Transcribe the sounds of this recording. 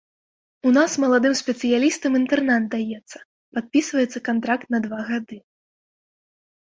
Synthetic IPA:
unasmɐlˠad̪ɨmsʲpʲɛt̪sɨjalʲist̪ɐmint̪ɛrnat̪d̪ajɛt̪sːɐ̥ | pat̪̚pʲisvɐjɛt̪sːɐkant̪ɾakt̪nɐd̪vaɣad̪ɨ

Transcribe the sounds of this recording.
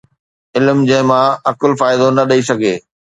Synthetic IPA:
ɪlmd͡ʑɐ̃ɦɪ̃mãɐkʊlfaːɪd̪onɐɗɐis̬ɐɡʱeː

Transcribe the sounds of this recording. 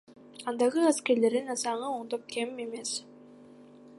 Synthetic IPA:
ɑnd̪ɑʁɯaskeɾle̞ɾinasɑɴɯoɴd̪op̚kʰe̞me̞me̞s

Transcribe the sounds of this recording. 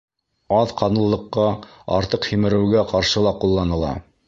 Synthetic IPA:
ɑðqɑnɤ̆lˠːɤ̆qːɑɑ̰ɾt̪ɤqhimɘ̆ɾɘ̆wɡæqɑɾʃɤlˠɑqulˠːɑnɤ̆lˠɑ̰

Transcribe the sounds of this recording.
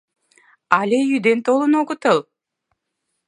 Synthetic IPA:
alʲejyd̪ønt̪ʰolˠunokut̪ɯlˠ

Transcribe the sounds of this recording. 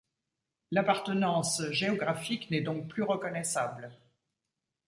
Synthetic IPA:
lapaʁt̪ənɑ̃sʒeɔɡʁafiknɛd̪ɔ̃k̚plyʁəkɔnɛsabl

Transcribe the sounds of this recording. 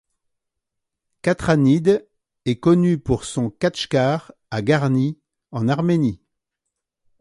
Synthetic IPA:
kat̪χanid̪ | ɛkɔnypuʁsɔ̃kaʃkaʁ | aɡaʁni | ɑ̃naʁmeni

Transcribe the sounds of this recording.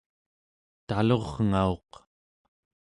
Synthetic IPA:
t̪alo̞ʁŋao̞q

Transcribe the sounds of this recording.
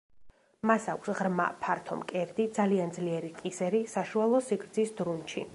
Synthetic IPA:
masakʷʰsʁɾma̰pʰaɾt̪ʰɔ̰mkʼɛɾd̪id̪zaliand̪zliɛɾiqʼisɛɾisaʃualˠɔsiɡɾd̪zisd̪ɾunt͡ʃʰḭ

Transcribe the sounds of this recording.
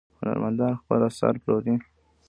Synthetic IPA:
hʊna̰ɾmand̪ɑnxpəlasa̰ɾpɾod̪i

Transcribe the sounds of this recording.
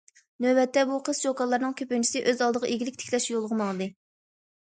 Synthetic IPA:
nøbɛt̪ʰːɛbuqʰəzd͡ʒokɑlˠːɑɾnɨŋkʲʰøpynt͡ʃʰi̥sɪʔøzɑlˠd̪əʁɑʔeɡʲilɪkʲt̪ʰɪ̥kʰʲlɛʃjolˠʁəmɑlˠɨd̪ɨ

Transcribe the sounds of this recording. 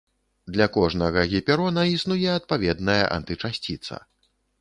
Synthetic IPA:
d̪lʲakɔʐnɐɣɐɣʲipʲɛɾɔnɐisnujɛɐt̪̚pavʲɛd̪nɐjɐ̰ʔa̰nt̪ɨt͡ʂasʲt͡sʲit̪sɐ̰

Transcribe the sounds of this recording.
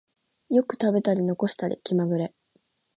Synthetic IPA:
jo̞kɯ̟̥t̪abe̞t̪aɾʲino̞ko̞ɕi̥t̪aɾʲḭkʲimaɡɯ̟ɾe̞

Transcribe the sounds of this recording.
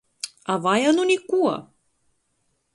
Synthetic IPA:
avajanunʲikuɐ̰

